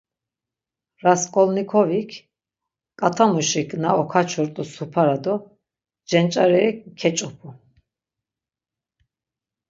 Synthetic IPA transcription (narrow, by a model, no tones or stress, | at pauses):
ɾaskʼɔlnikʰɔvikʰ | kʼat̪ʰamuʃikʰʼnaɔkʰat͡ʃʰɔɾt̪ʼusupʰaɾad̪ɔ | d͡ʒɛnt͡ʃʼaɾɛɾikʰɛt͡ʃʼɔpʰu